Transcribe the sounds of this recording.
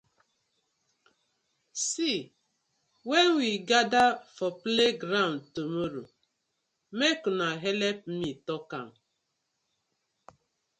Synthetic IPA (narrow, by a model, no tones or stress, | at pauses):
si | wenwiɡadafɔpleɡɾaʊntomoɾo | mekunaɦɛlɛp̚m̩mitɔkan